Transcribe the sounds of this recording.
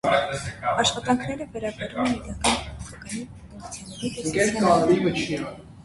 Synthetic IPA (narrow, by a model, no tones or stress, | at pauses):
ɑʃχɑt̪ɑŋkʰnɛɾəvɛɾɑbɛɾumɛnid̪ɑkɑnɔɔχɑkɑnipɔt̪ɔmut͡sʰjunːɛɾiɛkɛɾɛɑvivət͡ʃʰijɛʁɛlu